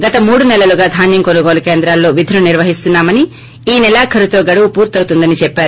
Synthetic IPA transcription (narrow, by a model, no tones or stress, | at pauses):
ɡɐt̪ɐmuːɽunɛlːɐluɡaːd̪ʱaːnjɐŋkonuɡoːlɐkeːnd̪ɾaːlːo̞ːʋid̪ʱɐnuniɾʋɐɦist̪unːaːmɐni | iːnilaːkʰɐɾut̪o̞ːɡɐɽuʋupuːɾt̪ɐwt̪und̪ɐnit͡ʃɛpːaːɾu